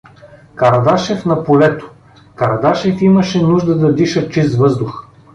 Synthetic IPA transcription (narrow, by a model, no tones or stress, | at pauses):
kɐɾɐd̪aʃɛfnɐpolɛt̪o̥ | kɐɾɐd̪aʃɛfimɐʃɛnuʒd̪əd̪ɐd̪iʃət͡ʃist̪vɤzd̪ʊx